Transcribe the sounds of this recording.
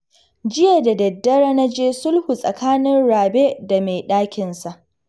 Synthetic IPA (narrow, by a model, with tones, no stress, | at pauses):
d͡ʒɪ˦ja˨da˨dɐ˨dːɐ˦ɾa˦na˦d͡ʒeː˦sʊ˦lhu˨sʼɐ˨kʰaː˦nɪ˦nɽaː˨be˦da˨me˨ɗaː˦kʲɪ˨nsa˨ʔ